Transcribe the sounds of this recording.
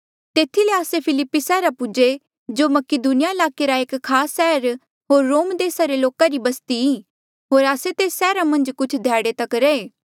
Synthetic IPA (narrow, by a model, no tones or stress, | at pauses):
t̪eːt̪ʰileaːsepʰɪlɪpːisɛːɾapʊd͡ʒe | d͡ʒoːmɐkɪd̪unɪjaɪlaːkeɾaeːkkʰːaːsːɛːɾ | ɦoːɾːoːmd̪eːsaɾeloːkaɾibɐst̪iiː | ɦoːɾaːset̪eːsːɛːɾamɐ̃nd͡ʒkʊt͡ʃʰd̪ʱjaːɽet̪ɐkɾɐeː